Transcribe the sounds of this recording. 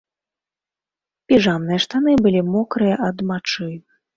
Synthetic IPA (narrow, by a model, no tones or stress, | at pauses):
pʲiʐamnɨjɐʂt̪anɨbɨlʲimɔkɾɨjɐʔɐd̪mat͡ʂɨ